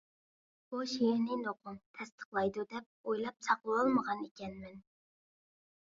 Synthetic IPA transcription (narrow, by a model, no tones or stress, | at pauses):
b̥uʃijɪɾnɪnoqʰʊmt̪ʰɛst̪ʰə̥χlˠɑjd̪ud̪ɛp̚ojlˠɑpsɑqlˠəolˠməʁɑnekʲɛnmɛn